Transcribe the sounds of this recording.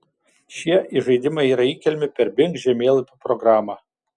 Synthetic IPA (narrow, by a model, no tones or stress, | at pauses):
ʃʲiɛʔiʒɐɪd̪ʲɪmɐɪiːɾɐiːkʲɛlʲmʲɪpʲɛɾbʲɪŋkʒʲɛmʲeːlˠɐpʲupɾɔɡɾɑːmɑː